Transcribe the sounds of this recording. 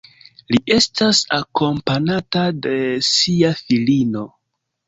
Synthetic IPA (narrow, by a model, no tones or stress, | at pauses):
liʔe̞stasako̞mpanatade̞siafilino̞